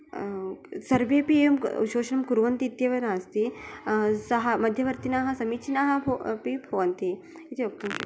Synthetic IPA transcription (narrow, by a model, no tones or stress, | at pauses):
sɐɾʋeːpiejumuʃoːʃɐnɐmkuɾʋɐnt̪iːt̪jɐʋɐnaːst̪i | sɐɦɐ̆mɐd̪ʱjɐʋɐɾt̪inaːɦɐ̆sɐmit͡ʃʰinaːɦɐ̆pibʱɐʋɐnt̪i | it̪iʋɐk̚t̪umt͡ʃ